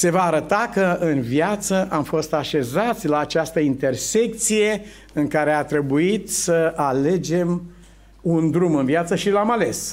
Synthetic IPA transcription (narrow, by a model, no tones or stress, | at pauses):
se̞vaːɾət̪akəɨnvjat̪səʔamfo̞st̪aʃe̞zat̪sʲlaːt͡ʃast̪əint̪e̞rse̞k̚t̪sije̞ | ɨŋkaɾe̞at̪ɾe̞buit̪səale̞d͡ʒe̞m | und̪ɾumɨnviat̪səʃilamale̞s